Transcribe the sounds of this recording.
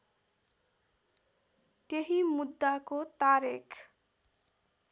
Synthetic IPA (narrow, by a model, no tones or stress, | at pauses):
t̪jeɦimud̪ːakot̪aɾikʰ